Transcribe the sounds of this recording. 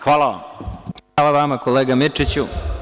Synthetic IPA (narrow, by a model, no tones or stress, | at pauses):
xʋaːlˠaʋa̰mxalaʋamakoleːɡamit͡ʂit͡ɕu